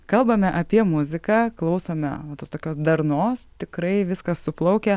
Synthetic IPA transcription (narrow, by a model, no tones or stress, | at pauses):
kɐlˠbɐmʲɛʔɐpʲiɛmʊzʲɪkɑːklˠɐʊsoːmʲɛ̰ɐt̪oːst̪oːkʲoːsd̪ɐɾnoːst̪ʲɪkɾɐɪʋʲɪskɐssʊplˠɐʊkʲɛ